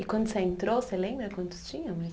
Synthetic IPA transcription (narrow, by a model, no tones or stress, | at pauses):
ɪkwɐ̃nd̪ʊseẽnt̪ɾosselẽmbɾɐkwɐ̃nt̪ʊ̥st͡ʃĩɲɐ̃mɐ